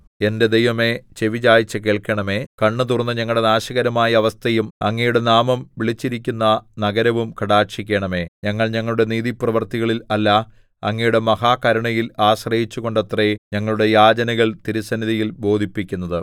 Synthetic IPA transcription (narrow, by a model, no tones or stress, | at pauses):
e̞nded̪ejʋɐme̞t͡ɕe̞ʋid͡ʑaːjit͡ɕːɐke̞ːɭkɐɳɐme̞ːkɐɳːɨt̪urnːɨɲɐŋːɐɭɽe̞naːɕɐɣɐɾɐmaːjɐːʋɐst̪ʰɐjumɐŋːejuɽe̞naːmɐmʋiɭit͡ɕːiɾikʲːunːɐnɐɡɐɾɐʋumkɐɽaːʂikʲːeɳɐme̞ːɲɐŋːɐɭɲɐŋːɐɭuɽe̞niːðiprɐʋɐrt̪iɣɐɭilɐlːa | ɐŋːejuɽe̞mɐɦaːkɐɾɐɳɐjilaːɕrɐjit͡ɕːuɣo̞ɳɖɐt̪reɲɐŋːɐɭuɽe̞jaːd͡ʑɐnɐɣɐɭt̪iɾusɐnːiðɐjilbo̞ːd̪ʱipːikʲːunːɐðɨ